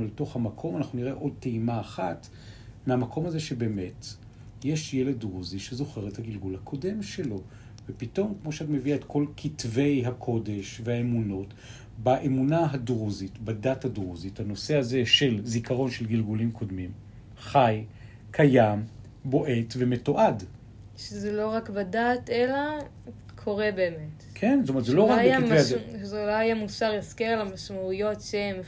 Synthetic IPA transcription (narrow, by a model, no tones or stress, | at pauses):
uleto̞χhamakʰo̞manaχnuniʁeʔo̞d̚teimaːχat | meamakʰo̞mhaze̞ʃebe̞ːme̞t | je̞ʃjele̞dʁuziʃezo̞χe̞ʁethaɡilɡulhakʰo̞de̞mʃe̞lo̞ | vepito̞mkmo̞ʃeatme̞viaetko̞lkʰitve̞jɦakʰo̞de̞ʃvehaemuno̞t | baʔemunaɦadʁuzitbadathadʁuzithano̞se̞azeʃe̞lzikʰaʁo̞nʃe̞lɡilɡulimkʰo̞dmim | χaj | kʰajam | bo̞ʔe̞tve̞me̞to̞ʔad | ʃezelo̞ʁakbadatela | kʰo̞ʁebe̞ːmetkʰe̞nstomet̪zeloʁakekivejazelohajamusaʁaskeʁlamaʃmaujo̞tʃem